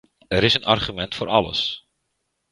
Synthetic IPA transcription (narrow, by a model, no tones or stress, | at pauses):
ɛɾɪsənarχymɛntfoːɾʔɑlə̰s